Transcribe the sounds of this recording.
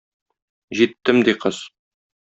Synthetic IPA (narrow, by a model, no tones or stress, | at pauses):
ʑit̪ːɘmd̪iqɤz̥